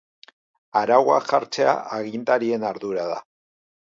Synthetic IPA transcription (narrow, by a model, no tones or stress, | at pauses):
aɾawa̰ʝaɾt͡se̞a̰ʔaɣint̪aɾie̞naɾðuɾaða̰